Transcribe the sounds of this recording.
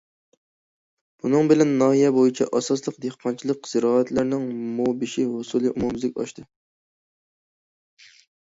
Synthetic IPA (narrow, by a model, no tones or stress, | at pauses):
b̥unɨŋbɪlɛnːɑːɦijɛbojit͡ʃʰɛ̰ʔɑsɑslˠəqd̪ehqʰɑnt͡ʃʰilˠəqz̥ɪɾɑːæt̪læɾnɪŋmobɪʃiɦʊsulˠɨʔumumzlɪkʲɑ̰ʃt̪ʰɨ